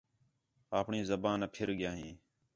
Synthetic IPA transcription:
aːpɳĩːzəbaːnːpʰɪɾɠjãːɦĩː

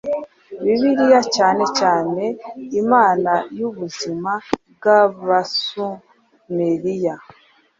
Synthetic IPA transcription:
βiβiɾijacaːne̞caːne̞imaːnajuβuzimab̚ɡaβasu | meɾija

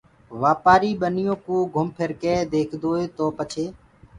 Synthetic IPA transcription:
ʋaːpaːɾiːɓənɪjõːkũːɡʱʊmpʰəɾkeːd̪eːkʰd̪oːɦeːt̪oːpət͡ʃʰeː

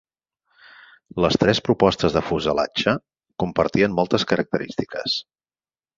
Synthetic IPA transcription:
ləst̪ɾɛspɾupɔst̪əzðəfuzəla̰t͡ʃə | kumpəɾt̪iənmɔlˠt̪əskəɾək̚t̪əɾḭst̪ikə̰s

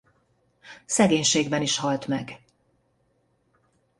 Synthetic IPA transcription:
sɛɡeːɲʃeːɡbɛniʃhɒlt̪mɛɡ

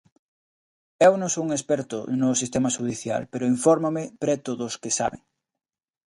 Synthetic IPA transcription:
ewnõŋsouŋespɛɾt̪ʊ̰nʊsist̪emaʃuðiθja̰lpeɾʊiɱfɔɾmomɪpɾɛt̪oðoskɪsa̰βḛŋ

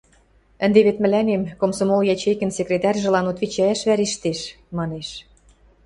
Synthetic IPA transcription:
ə̆nd̪eβet̪mɘ̆lænemkomsomoljɑt͡ɕejkɘ̆nsʲekrʲet̪ɑrʲʒĕlɑnot̪βit͡ɕææʃβæɾeʃt̪eʃ | mɑneʃ

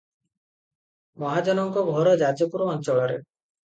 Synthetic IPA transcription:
mɔɦad͡ʒɔnɔŋkɔɡʱɔɾɔd͡ʒad͡ʒɔpuɾɔːnt͡ʃɔɭɔɾḛ

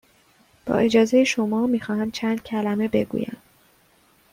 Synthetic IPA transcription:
b̥ɒ̰ːʔe̞d͡ʒɒːze̞jeʃomɒːmiːxɒːhæmt͡ʃʰænd̪̥̚cʰælæme̞be̞̰ɡṵːjæ̰m

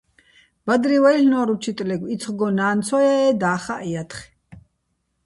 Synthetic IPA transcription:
b̥ad̪ɾiwajɬnɔɾut͡ʃʰit̪ʼlɛɡwit̪t͡sʰχɡɔnaːnt̪t͡sʰɔjɛːd̪aːχaʔɛjat̪ʰχ

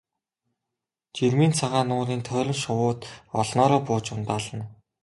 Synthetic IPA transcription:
t͡ɕirmiːnt͡sʰaʁaːnʊːɾiːnt̪ʰœːɾʲɪ̆mʃʊwʊːt̪ɔɮnɔːɾɔːpʊːt͡ɕʊnt̪aːɮə̆n

